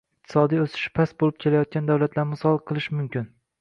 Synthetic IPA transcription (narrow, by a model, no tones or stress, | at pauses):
ɪq̚t̪ʰɪ̥sɒd̪ijosɪ̥ʃpʰasbolɪp̚kʲʰe̞lajɒt̪̚kʲand̪awlat̪laɾmʊsɒlˠqʰɨlˠɪʃmʊmkʲɪn